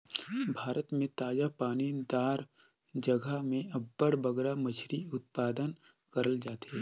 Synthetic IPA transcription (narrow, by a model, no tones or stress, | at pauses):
bʱaːɾət̪mẽt̪aːd͡ʒapaːnind̪aːɾ | d͡ʒɐɡəmẽɐbːəɽbɐɡɾamɐt͡ʃʰɾiʊt̪̚paːd̪ən | kɐɾəld͡ʒaːt̪e